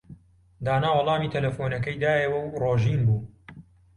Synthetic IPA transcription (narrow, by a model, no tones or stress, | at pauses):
d̪aːnaːwɐlˠɑːmiːt̪ʰɐlɐfoːnɐkɐjd̪aːjɐwɐwroːʒiːnbuː